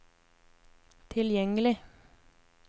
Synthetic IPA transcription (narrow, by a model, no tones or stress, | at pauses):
t̪ʰɪljɛŋəlɪ